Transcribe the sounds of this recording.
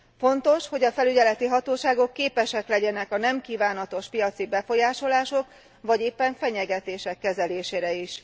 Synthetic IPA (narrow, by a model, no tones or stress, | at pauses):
fo̞nt̪o̞ʃho̞ɟɒfɛlyɟɛlɛt̪iɦɒt̪oːʃaːɡo̞kːeːpɛʃɛklɛɟɛnɛkɒnɛmkiːvaːnɒt̪o̞ʃpijɒt̪sibɛfo̞jaːʃo̞laːʃo̞k | vɒɟeːpːɛɱfɛɲɛɡɛt̪eːʃɛkːɛzɛleːʃeːɾɛiʃ